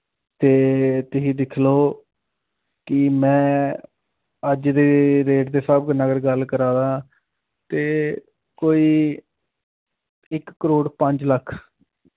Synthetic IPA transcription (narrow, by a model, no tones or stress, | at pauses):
t̪eːt̪ɪɦĩːd̪ɪkʰloː | kɪmɛ̃ː | əd͡ʒd̪eːɾeːʈd̪eːsəbɡənaɡəɾɡəlkəɾaːd̪ãː | t̪eː | koːiː | ɪkːəɾoːɽpəɲd͡ʒləkʰ